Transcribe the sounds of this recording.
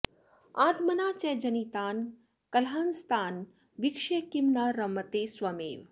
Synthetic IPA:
aːt̪mɐnaːt͡ʃɛd͡ʒɐnit̪aːn | kɐlɦaːnst̪ʰaːn | ʋikʃekimnaɾɐmɐt̪eːsʋɐmḛːʋ

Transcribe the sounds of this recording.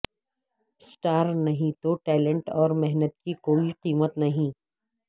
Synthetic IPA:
sʈaːɾnɐɦĩt̪oʈɛːlə̃ɳʈɔːɾmɛɦnət̪kikoːiqiːmət̪nɐɦĩː

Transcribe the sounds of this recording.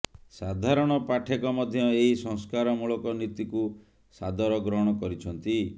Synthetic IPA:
sad̪ʱaɾɔɽ̃ɔpaʈʰekɔmɔd̪ʱjɔeɦisɔŋskaɾɔmuɭɔkɔnit̪iku | sad̪ɔɾɔɡɾɔɦɔɽ̃ɔkɔɾit͡ʃʰɔnt̪i

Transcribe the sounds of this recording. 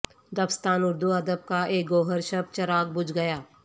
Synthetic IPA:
d̪ɐbst̪aːnʊɾd̪uɐd̪əb̚kaʔeːk̚ɡoːɦəɾʃɐb̚t͡ʃɐɾaːɡ̚bʊd͡ʒɡɐjaː

